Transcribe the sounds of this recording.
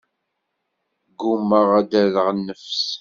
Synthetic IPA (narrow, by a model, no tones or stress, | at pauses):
ɡumːəʁæd̪æləʁnːəfs